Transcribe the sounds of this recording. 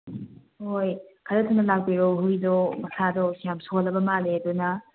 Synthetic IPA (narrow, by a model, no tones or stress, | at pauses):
hojkʰɐɾɐtʰunːɐlak̚biɾowɦujdɔmɐsʰadɔsijamsolːɐbɐmaledunɐ